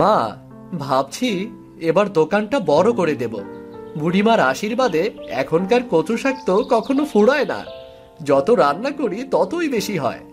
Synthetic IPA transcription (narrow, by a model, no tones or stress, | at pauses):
ma | bʱab̚t͡ɕʰi | ebaɾd̪okanʈabɔɾokoɾed̪ebo̰buɽimaɾaʃiɾbad̪eɛ̰kʰonkaɾkot͡ɕoʃak̚t̪okɔkʰonofuɽaena̰ | d͡ʑɔt̪oɾanːakoɾit̪ɔt̪ojbeʃiɦɔ̰e